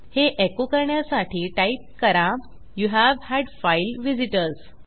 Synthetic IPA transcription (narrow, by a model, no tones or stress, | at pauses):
heʔekokəɾɳjasaʈʰiːʈaip̚kəɾã | juɦæʋhæɖfajlʋid͡ziʈəɾz